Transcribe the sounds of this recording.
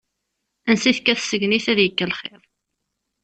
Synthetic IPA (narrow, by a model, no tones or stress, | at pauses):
ənsiθkːæθsəʝniθæðjəkːəlχeɾˤ